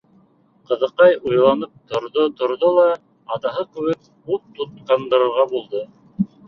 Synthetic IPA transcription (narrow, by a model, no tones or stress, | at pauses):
qɤ̆ðɤ̆qɑjujlˠɑnɤp̚t̪ŏɾðot̪ŏɾðolˠɑː | t̪ɑɦɤkɘ̆wɘk̚ | up̚t̪ut̪̚qɑnd̪ɤ̆ɾɤ̆ɾʁɑbulˠd̪o